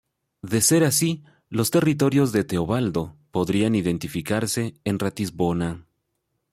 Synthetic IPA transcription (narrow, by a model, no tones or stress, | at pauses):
ðe̞se̞ɾasi | lo̞st̪e̞rit̪̬o̞ɾjo̞zðe̞t̪eoβald̪o̞po̞ðɾianiðe̞nt̪ifikaɾse̞ːnrat̪izβo̞na